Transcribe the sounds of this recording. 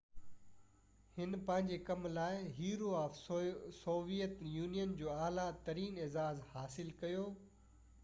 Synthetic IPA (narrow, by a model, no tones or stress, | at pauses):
hɪnpɐ̃ɦɪ̃ɲd͡ʑekɐmlaːɪɦiːɾoaːfsoːʋijət̪juːnijənd͡ʑoːaːlat̪ɐɾiːneːzaːzhaːsɪlkɐjoː